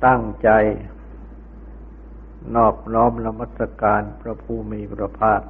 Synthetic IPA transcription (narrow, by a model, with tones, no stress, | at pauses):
t̪a˥˩ŋt͡ɕa˧j | nɔː˥˩p̚nɔː˦˥mna˧ma˧˥˩t̪sa˧kaː˧npʰɾa˧pʰuː˧˩miː˧˦pʰɾa˧pʰaː˥˩t̪̚